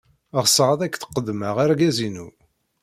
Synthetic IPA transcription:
ʁsəʁaðækːθə̥qːəd̪məʁaɾɡæzinṵ

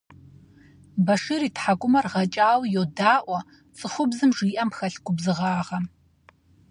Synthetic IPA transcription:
bɐʂɨɾiːtħaɡʷʼʊmɐrʁɐt͡ʃʼaːwjoːdaːʔʷɔ | t͡sʼɨχʷʊbzɨmʐiːʔɐmpxɐɬɡʷʊbzɨʁɑːʁɐ

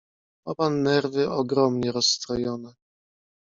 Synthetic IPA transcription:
apanːɛɾvɘɔɡɾɔmɲɛɾɔsːt̪ɾɔjɔnɛ

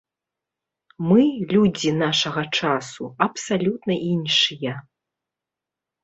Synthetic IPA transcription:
mɨlʲud͡zʲinaʂɐɣɐt͡ʂasṵɐpsalʲut̪nɐʔinʂɨjɐ

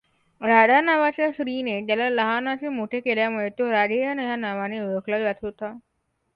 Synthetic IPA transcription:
ɾaɽanaʋat͡ɕjaɕɾinet̪jalaləɦanat͡ɕemoʈʰekeljamuɭet̪oɾad͡ʑejanəjanaʋaneɾəkʰlad͡zat̪ʰɦot̪a

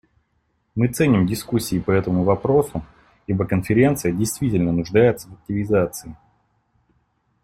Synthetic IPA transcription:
mɨt̪sɛnʲɪmdʲɪskusʲːiːpəɛt̪əmʊvɐpɾo̞sʊ | ibəkənfʲɪɾʲe̞nt̪sɨjədʲɪjst̪vʲitʲɪlʲnənʊʐd̪ajɪt̪səvɐk̚tʲɪvʲɪzat̪sɨɪ

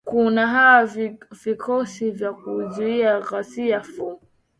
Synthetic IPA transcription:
kunaɦawavikʰɔsivjakuzuiaɣasiafum

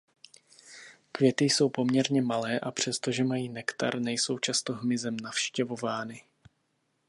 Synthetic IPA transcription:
kvjɛt̪ɪjso̞wpo̞mɲɛɾɲɛmalɛːʔapr̝̥ɛst̪o̞ʒɛmajiːnɛkt̪a̰ɾnɛjso̞wt͡ʃast̪o̞ɦmɪzɛmnafʃcɛvo̞vaːnɪ

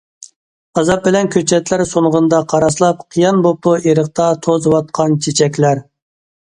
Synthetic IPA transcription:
ɑzɑp̚bɪlɛnkʲʰøt͡ʃʰɛt̪læɾsoɴʁənd̪ɑqʰɑɾɑslˠɑp̚qʰijɑnbop̚ueɾəq̚t̪ʰɑt̪ʰozwɑt̪̚qʰɑnt͡ʃʰet͡ʃʰɛkʲlæɾ

